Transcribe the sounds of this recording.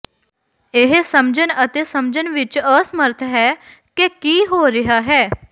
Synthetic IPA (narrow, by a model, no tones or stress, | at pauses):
eɦesəmd͡ʑənət̪esəmd͡ʑənʋit͡ʃəsməɾt̪ʰəɦɛ | kekiːɦoɾiɦaɦɛ